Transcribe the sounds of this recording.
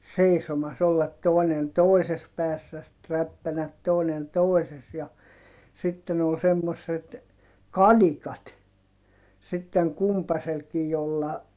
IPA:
seisomɑs olːɑt toˑi̯nen toˑises pæːsːæ sit ræpːænæt toˑinen toˑises jɑ sitːen ol semːosːet kɑlikɑt sitːeŋ kumpɑselkij jolːɑ

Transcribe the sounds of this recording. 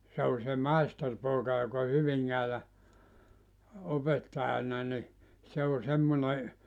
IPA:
se o se mɑisterpoːkɑ jok o hyʋiŋːæːlæ opetːɑj̆ɑnɑ ni se o semːone

